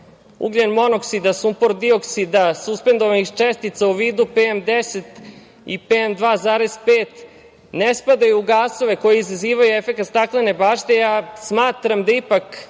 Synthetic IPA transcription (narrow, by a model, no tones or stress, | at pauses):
ṵɡlenmo̞noksid̪asumpoɾd̪io̞ksid̪asuspe̞nd̪oʋanixt͡ʃest̪it̪sauʋiːd̪upemd̪eset̪ | ḭpemd̪ʋaːzaːɾez̥peːt̪ | nespad̪ajuːɡaːso̞ʋe̞ko̞jiizaziːʋajuefe̞kat̪st̪aklene̞baːʃt̪ejasmaːt̪ɾamd̪aipak